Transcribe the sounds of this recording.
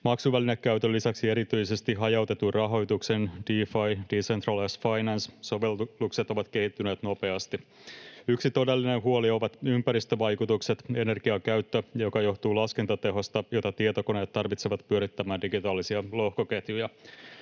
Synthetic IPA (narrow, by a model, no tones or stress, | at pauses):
mɑksuʋælinekkæyt̪ølːisæksie̞ɾit̪yjse̞st̪iɦɑjɑwt̪e̞t̪urɑɦo̞jt̪uksend̥iːfɑjd̥isent̪rɑlesfɑjnɑnsso̞ʋelːukset̪o̞ʋɑt̪ke̞hit̪ːyne̞ːt̪no̞pe̞ɑst̪i | yksit̪o̞de̞lːinenɦuolio̞ʋɑt̪ympæɾist̪øʋɑjkut̪ukse̞t̪e̞ne̞rɡ̥iɑkæɥt̪ːøjjo̞kɑjo̞ht̪uːlɑske̞nt̪ɑt̪e̞ɦost̪ɑjo̞t̪ɑt̪iet̪o̞kone̞ːt̪ːɑrʋit̪seʋɑt̪pyøɾit̪ːæmæːndiɡit̪ɑːlːisiɑlo̞hkoket̪jujɑ